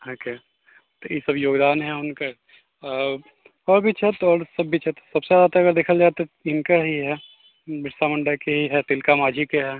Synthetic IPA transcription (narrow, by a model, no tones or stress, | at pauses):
oːke | t̪ojisɐbjoːɡd̪aːnɦɛʊnka | ɔːɾbʱit͡ʃɦɛt̪ɔːɾsɐbːit͡ʃɦɛt̪osɐbseaːd̪at̪aɐɡəɾd̪eːkʰəld͡ʒaːet̪eɪnkaɦiɦɛ | bɪssamɐ̃ɳɖakeɦiɦɛt̪ɪlkamaːd͡ʒʱikeɦɛː